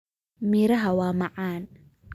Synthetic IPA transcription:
miːɾɐɦɐwaːmɑʕaːn

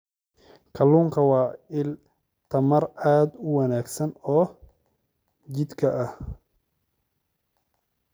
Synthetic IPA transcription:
kʰɐluːŋkʰɐwɑːɪl | t̪ʰɐmɐraːd̪ʊwɐnaːɡsɐnɔː | d͡ʒɪd̪kʰɐʔɐh

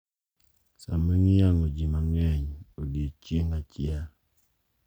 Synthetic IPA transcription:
sameŋiaŋod͡ʒimaŋɛɲodet͡ʃiŋat͡ʃja

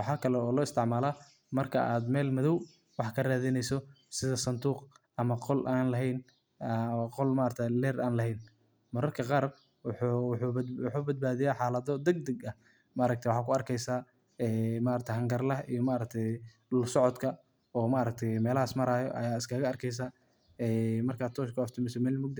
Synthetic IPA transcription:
wɑħaːkʰɐlɛɔːlɔːɪst̪ʰɪʕmaːlaː | mɐrkʰɐ̰ʔaːd̪mɛːlmɐðɔw | wɑħkʰɐraːðɪnɛjsɔ | sɪðɐsɐnd̪uːqʔɐmɐqɔlʔaːnlɐɦɛjn | qɔlmaːɾɐk̚t̪ʰɛlɛːrʔaːnlɐɦɛjn | mɐɾɐrkʰɐqɑːr | ħħb̪wħuːbɐd̪̚baːðɪjaħɑːlɐðɔd̪ɐɡ̚d̪ɐɡɐ | maɾɐkt̪ʰjwɑħɑːkʰʊɐrkʰɛjsaː | ɛːmaɾɐk̚t̪ʰɛɦɐŋɡɐrlɐijɔmaʔɾɐk̚t̪ʰɛj | lsɔʕɔd̪kʰɐ | ɔːmaʔɾɐk̚t̪ʰɛjmɛːlɐhaːsmɐɾaːjɔ̰ʔɐ̰jaːɪskʰɐɣɐɐrkʰɛjs̬aː | ɛːmɐrkʰaːdt̪ʰɔːʃkʰʊɐft̪ʰɪmɪsɔmɛːlmʊɡ̚d̪

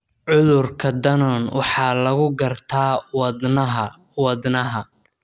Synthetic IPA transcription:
ʕʊðʊrkʰɐd̪ɐnɔːnwʔɑħɑːlɐɣʊɡɐrt̪ʰaːwɐd̪nɐɦɐ | wɐd̪nɐɦɐ

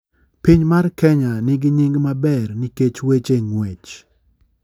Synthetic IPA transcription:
piɲmarkɛɲanɪɡɪɲɪŋɡmabɛrnɪket͡ʃwet͡ʃeŋwet͡ʃ

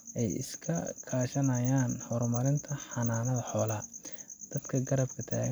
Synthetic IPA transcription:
ʔɛjɪ̰skʰɐkʰaːʃɐnɐjaːnhɔrmɐɾɪnt̪ʰɐħɑnaːnɐðɐħɔːlaːd̪̥ɐd̪kʰɐɡɐɾɐbkʰɐt̪ʰa̰ː

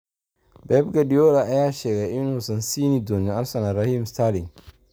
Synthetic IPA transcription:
bɛb̚ɡadijoːɾaʔajaːʃeɡaʔinosɐnsiːnidoɲɪʔasɐnaɾahimstaːlɪŋ

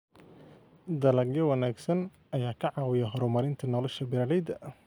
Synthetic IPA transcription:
d̪ɐlɐɡjɐwɐnaːɡsɐn | ʔɐjaːkʰɐʕɑːwɪjɐɦɔɾʊmɐɾɪnt̪ʰɐnɔːlɛʃɐbɪɾɐlɛjd̪ɐ

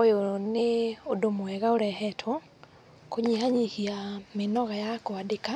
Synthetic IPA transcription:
ojoneodomoɛɣaoɾɛhɛtʰwɔ | koɲihaɲihiamenɔɣajakoadeka

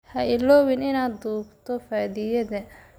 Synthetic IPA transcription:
hɐɪlɔːwɪnɪnaːd̪uːbt̪ʰɔfaːðɪjɐðɐ

